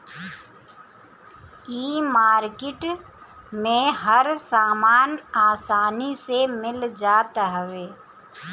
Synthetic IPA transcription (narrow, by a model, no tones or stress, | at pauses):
iːmaːɾkɪʈ | mẽɦəɾsaːmaːnaːsaːnisemɪld͡ʒaːt̪aɦəʋeː